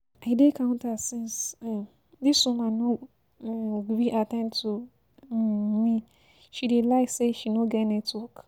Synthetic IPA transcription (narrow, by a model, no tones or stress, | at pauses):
aɪdekʰãʊ̃ntasĩns | disũmãnɔ̃ | biʔatɛ̃ntʰu | mĩ | ʃidelaɪseʃinɔɡɛnɛtwɔk